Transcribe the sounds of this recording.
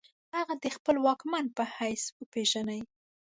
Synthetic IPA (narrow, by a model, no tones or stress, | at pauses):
haɣad̪əxpəlwɑkmanpəhajswəpeʒanaj